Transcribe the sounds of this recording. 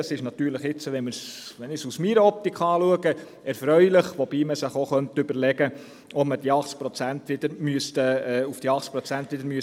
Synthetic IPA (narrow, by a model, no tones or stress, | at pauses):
ɑsɪʃnɑt̪yːɾləχɪt͡səʋɛnmɪɾsʋɛnɪsusmiɾəɔp̚t̪ikχɑːluəɡə | ɛɾfɾœʏlɪχʋob̥iːməsɪχoχœnt̪ʏbəɾlɛɡə | ɔpməd̥iɑχt͡s̚pɾɔt͡sænt̪ʋɪd̥̪əɾmyəst̪əɛufd̥iɑχt͡spɾɔt͡sænt̪ʋɪd̪əɾmyəs